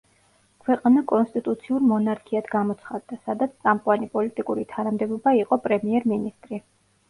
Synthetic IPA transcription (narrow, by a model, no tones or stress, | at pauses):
kʰwɛqʼanakʼɔnst̪ʼit̪ʼut̪sʰiuɾmɔnaɾkʰiad̪ɡamɔt̪sʰχad̪ːasad̪at̪sʰsʼamqʼwanipʼɔlit̪ʼikʼuɾit̪ʰanamd̪ɛbɔbaiqʼɔpʼɾɛmiɛɾminist̪ʼɾi